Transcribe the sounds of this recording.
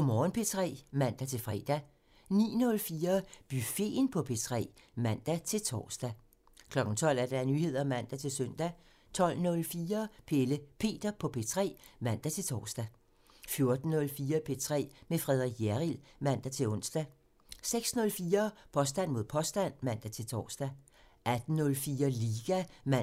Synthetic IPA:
ɒ̽mɒːn̩pʰe̝t͡sʰʁɛ̰ːmæn̰d̥æt͡sʰe̝lfʁɛ̰ːd̥æ | nḭːnɔ̽lfiːɐb̥yfe̝̰ːnpʰɒ̽pʰe̝t͡sʰʁɛ̰ː | mæn̰d̥æt͡sʰe̝lt͡sʰɒ̰ːsd̥æ | kʰlɒ̽ɡ̥n̩t͡sʰɒ̽l̰æɐd̥ɑænyhe̝ð̞̰ˠɐæmæn̰d̥æt͡sʰe̝lsœn̰d̥æ | t͡sʰɒ̽l̰nɔ̽lfiːɐpʰeləpʰe̝̰ːd̥ɐpʰɒ̽pʰe̝t͡sʰʁɛ̰ːmæn̰d̥æt͡sʰe̝t͡sʰɒ̰ːsd̥æ | fjo̝ɐd̥n̩ːɔ̽lfiːɐpʰe̝t͡sʰʁɛ̰ːmefʁɛð̞ˠʁiɡ̥æʁilmæn̰d̥æt͡sʰe̝lɔ̽n̰sd̥æ | seɡ̥snɔ̽lfiːɐpʰɒ̽sd̥æn̰mo̝ðˠpʰɒ̽sd̥æn̰mæn̰d̥æt͡sʰe̝lt͡sʰɒ̰ːsd̥æ | ʔæd̥n̩ːɔ̽lfiːɐliːɡ̥æ

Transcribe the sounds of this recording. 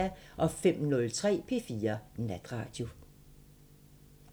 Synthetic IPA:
æʔɒ̽fem̰nɔ̽lt͡sʰʁɛ̰ːpʰe̝̰ːfiːɐnæd̥ʁɑ̰̈ːd̥jo̝

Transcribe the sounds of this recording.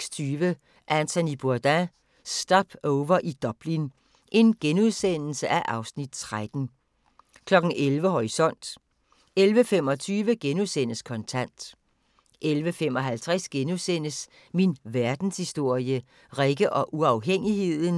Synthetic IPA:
st͡sʰyːʋə | ʔænt͡sʰonib̥uɐd̥æ | sd̥ɒb̥ʰɔʊʋɐʔid̥ɒb̥lin | ʔe̝nɡ̥enuðˠsen̰l̩səʔæʔɑ̈ʊsnid̥̚t͡sʰʁad̥n̩ | kʰlɒ̽ɡ̥n̩ʔelʋəɦɒʁisɒ̽n̰d̥ | elʋəfem̰ɒ̽t͡sʰyːʋəɡ̥enuðˠsen̰əskʰɒ̽nt͡sʰæn̰d̥ | ʔelʋəfem̰ɒ̽ɦælt͡sʰʁasɡ̥enuðˠsen̰əs | minʋæɐd̥n̩shisd̥o̝ɐ̰jə | ʁeɡ̥əʔɒ̽ʔuɑ̈ʊɦeŋ̰ihe̝ð̰ˠn̩

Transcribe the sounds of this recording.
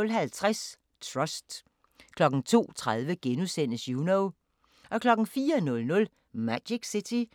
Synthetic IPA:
lɦælt͡sʰʁas | t͡sʰʁɒsd̥ | kʰlɒ̽ɡ̥n̩t͡sʰo̝̰ːt͡sʰʁað̞ˠʋəɡ̥enusen̰əsjunoʊ | ʔɒ̽kʰlɒ̽ɡ̥n̩fiːɐnɔ̽lnɔ̽l | mædiɡ̥sit͡sʰi

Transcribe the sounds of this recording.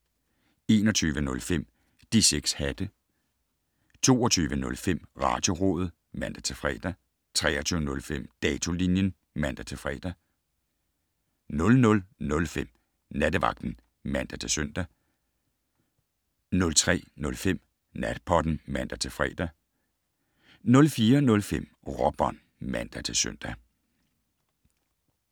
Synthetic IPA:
e̝ːnɒ̽t͡sʰyːʋənɔ̽lfem̰ | d̥iseɡ̥shæd̥ə | t͡sʰo̝̰ːɒt͡sʰyːʋənɔ̽lfem̰ʁɑ̈ːd̥jo̝ʁoð̩ˠ | mæn̰d̥æt͡sʰe̝fʁɛ̰ːd̥ɐ | t͡sʰʁɛ̰ːɐt͡sʰyːʊənɔ̽lfem̰d̥ɛːt͡sʰo̝linjən | mæn̰d̥ɐt͡sʰe̝fʁɛ̰ːd̥ɐ | nɔ̽lnɔ̽lnɔ̽lfem̰ | næd̥əʋɑ̈ɡ̥̚d̥n̩ | mæn̰d̥æt͡sʰe̝søn̰d̥æ | nɔ̽lt͡sʰʁɛ̰ːnɔ̽lfem̰ | næd̥̚pʰɒd̥n̩mæn̰d̥æt͡sʰe̝fʁɛ̰ːd̥æ | nɔ̽lfiːɐnɔ̽lfem̰ | ʁɒb̥ɒn | mæn̰d̥æt͡sʰe̝søn̰d̥æ

